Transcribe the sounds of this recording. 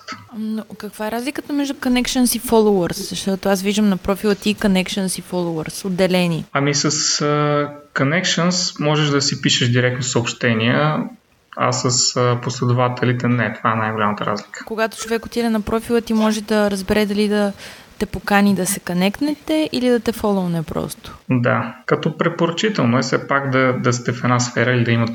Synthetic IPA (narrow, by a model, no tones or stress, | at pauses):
t̪nokɐkv̥aɛɾazlʲikət̪əmɛʒd̪ʊkonɛkʃənsifɔlˠoəɾszɐʃt̪ɔt̪oasviʒd̪əmnɐpɾɔfilˠət̪iːkonɛkʃənsifɔlˠoəɾsod̪ːɛlɛniɐmisəsəkonɛkʃənsmɔʒɛʒd̪ɐsipiʃɛʃd̪iɾɛk̚t̪nofsəopʃt̪ɛniə | a̰səsposlɛd̪ʊvat̪ɛlit̪ɛnɛt̪ovaɛnajɡolʲamət̪əɾa̰zlikʰə̥koɡat̪o̥t͡ʃovɛkot̪ʲid̪ɛnɐpɾɔfilˠət̪imɔʒɛd̪ɐɾɐzbɛɾɛd̪ɐlid̪ɐ | t̪ɛpokanid̪ɐsɛkɐnɛkt̪nɛt̪ɛʔilid̪ɐt̪ɛfɔlˠonɛpɾɔ̰st̪o̥d̪a̰kɐt̪ɔpɾɛpoɾɐt͡ʃit̪ɛlˠnoɛsɛpakd̪ɐd̪ɐst̪ɛfɛd̪nasfɛɾəilid̪ɐimɐt̪